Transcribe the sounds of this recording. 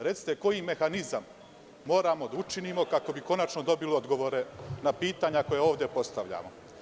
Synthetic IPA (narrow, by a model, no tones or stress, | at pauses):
ɾet̪si̥t̪e̞ko̞jime̞xanizamː | o̞ːɾamo̞d̪aut͡ʃiniːmo̞kako̞biko̞nat͡ʃnod̪o̞biliod̪ɡo̞ʋoːɾe̞napiːt̪aːɲako̞jeo̞ːʋd̪epo̞st̪aʋʎa̰ːmo